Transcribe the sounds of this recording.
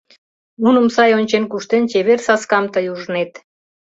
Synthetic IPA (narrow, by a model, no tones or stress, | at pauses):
munə̆msɑjonʲt͡ɕenkuʃt̪ent͡ɕeβersɑskɑmt̪əjuʒənet̪